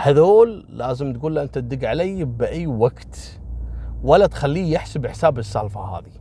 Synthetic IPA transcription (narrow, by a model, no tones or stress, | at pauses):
haðoːlːaːzɪmt̪ɡuːlːaʔɪnt̪ad̪ɪɡʕalajːbʔajːwaɡt̪ | walːat̪xalːiːjɪħsɪbɪħsaːbɪsːalfaha̰ːði